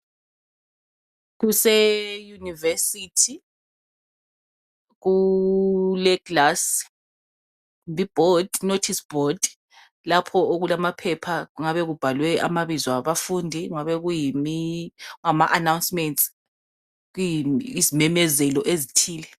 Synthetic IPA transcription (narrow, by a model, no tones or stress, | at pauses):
ɣusɛjunivɛsitʰi | ɣu | lɛɡlas | mbʱib̥ʱɔd̥notʰisb̥ʱɔd | lapʰɔoɣulamapʰɛpʰaɣuŋaβɛɣub̥ʱalwɛʔa̰maβizwaβafundʱiuŋaβɛɣujimiuŋamaʔanawnsmɛnts | ɣujiizimɛmɛzɛlɔʔezitʰiːlɛ